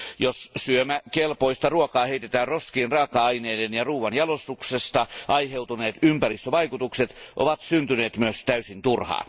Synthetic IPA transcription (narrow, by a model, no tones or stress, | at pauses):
jossyømækelpoist̪ɑruokɑːheit̪et̪æːnroskiːnrɑːkɑɑineːdenjɑruːʋɑnjɑlost̪uksest̪ɑʔɑiheut̪uneːt̪ympærist̪øʋɑikut̪ukset̪ʔo̰ʋɑt̪synt̪yneːt̪myøst̪æysint̪urhɑ̰ːn